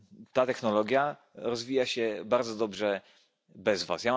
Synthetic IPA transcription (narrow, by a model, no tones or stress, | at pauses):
t̪at̪ɛxnɔlɔɡʲja | ɾɔzvʲijaɕɛbaɾd̪zɔd̪ɔbʐɛ | bɛzva̰sja